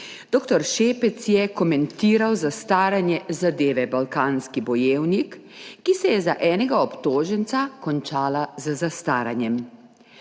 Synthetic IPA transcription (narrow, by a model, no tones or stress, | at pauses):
d̪̥oːkt̪ɔɾʃeːpɛt̪sjɛkɔmɛnt̪iːɾawzast̪aːɾanjɛzad̪eːʋɛbalkaːnskibɔjeːwnikː | isɛjɛzaʔɛːnɛɡaɔpt̪oːʒɛnt̪sakɔnt͡ʃaːlazzast̪aːɾanjɛm